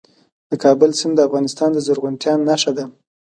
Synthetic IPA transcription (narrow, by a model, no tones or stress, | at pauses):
d̪̥əkʰɑbəlsɪmd̪əafɣɑnɪst̪ɑnd̪əzəɾɣʊnt̪jɑnːaʂad̪a